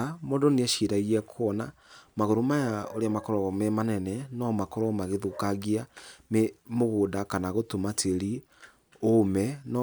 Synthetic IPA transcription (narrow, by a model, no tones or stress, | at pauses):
modoneaʃiɾaiɣɛkʰwɔnamaɣoɾomajaoɾeamakɔɾɔmɛmanɛnɛnɔmakɔɾɔmaɣeðukaɣiamemoɣodakanaɣotomatʰeɾi | omɛnɔ